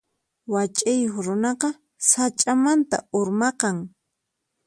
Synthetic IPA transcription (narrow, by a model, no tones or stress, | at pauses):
wat͡ʃʼajoχɾʊnɑqɑ | sat͡ʃʼamant̪a̰ʊɾmɑqɑŋ